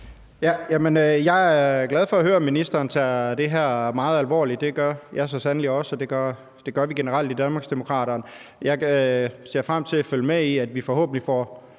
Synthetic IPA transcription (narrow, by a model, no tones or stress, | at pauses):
jæjæmənøjɑ̈ɪæɐɡ̥læð̞ˠfɒ̽æhɦøːɐminisd̥ɐːnt͡sʰæd̥e̝ɦæɐ̰mɑ̈ːð̩ˠælʋɒ̰ːli̥d̥e̝ɡ̥ɶɐjæɐsɒ̽sænliɒ̽sɒd̥e̝ɡ̥ɶɐ | d̥e̝ɡ̥ɶɐʋiɡ̥e̝nəʁɑ̈l̰d̥id̥ænmɑ̈ɡsd̥emo̝kʰʁɑ̰̈ːɾɐːnjɑ̈ɪse̝ɐ̰fʁam̰t͡sʰe̝læfølmeiæd̥ʋifɒ̽ho̰ːb̥ən̩lifɒ̰ː